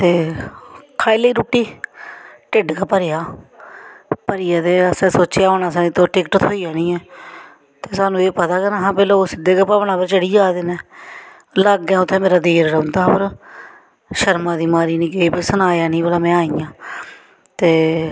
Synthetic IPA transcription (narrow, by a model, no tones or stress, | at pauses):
t̪eː | kʰaːileiːɾuːʈːiː | ʈɪɖkeːpəɾɪjaː | pəɾiːjaːt̪eːəsɛ̃ːsoːt͡ʃjaːoːɳaːsaːĩːt̪õːʈɪkʈt̪ʰoːijaːnĩːɛː | t̪eːsaːnũːeːpət̪aːkənaɦãːpeːloːsɪd̪eːkepaʋɳãːpəɾt͡ʃəɽiːd͡ʒaːd̪eːneː | laːɡɛ̃ːʊt̪ʰːẽːmeːɾaːd̪eːɾːəʊ̃nd̪aːpəɾ | ʃəɾmãːd̪iːmaːɾiːnĩːkɪeːpɪsənaːjaːnĩːbəlaːmɛ̃ːaːiːjãː | t̪eː